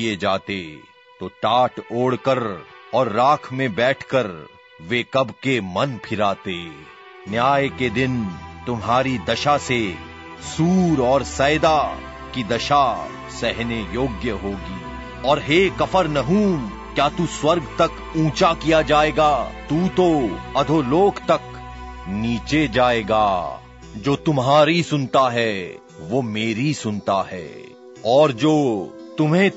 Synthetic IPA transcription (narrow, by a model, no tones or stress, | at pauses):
ied͡ʒaːt̪e | t̪oːʈaːʈoːɽkəɾɔːɾːaːkʰmẽbɛːʈʰkəɾ | ʋekɐbkemɐnpʰɪɾaːt̪e | njaːjked̪ɪnt̪ʊmɦaːɾid̪ɐʃase | suːɾɔːɾsɛːjd̪a | kid̪ɐʃa | sɛɦnejoːɡjəɦoːɡiː | ɔːɾɦeːkɐfəɾnɐɦuːm | kjaːt̪uswɐɾɡt̪ɐk | ũːt͡ʃakijad͡ʒaːeːɡaːt̪uːt̪oɐd̪ʱoːloːɡt̪ɐk | niːt͡ʃed͡ʒaːeːɡa̰ː | d͡ʒoːt̪ʊmɦaːɾisʊnt̪aɦɛ | ʋoːmeːɾisʊnt̪aɦɛ̰ː | ɔːɾd͡ʒoːt̪ʊmɦẽ